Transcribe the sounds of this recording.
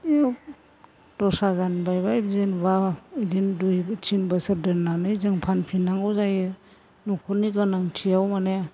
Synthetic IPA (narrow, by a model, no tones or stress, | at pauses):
jɔ | tɔsazanbajbajbzenbadindujtʰinbəsɯɾ̚dɯɾnanɯjzɯŋpʰanpʰinaŋɡɔzaje | nukʰɔniɡanaŋtʰijawmane